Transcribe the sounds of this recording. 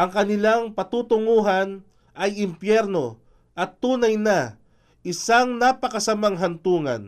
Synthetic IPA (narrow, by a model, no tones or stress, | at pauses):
ʔɐŋkɐnɪlaŋpɐt̪uːt̪ʊŋuːɦan | ʔɐjɪmpjɛɾno̞ | ʔɐt̪ːuːnɐjna | ʔɪsaŋnapɐkɐsɐmaŋɦɐnt̪uːŋɐ̰n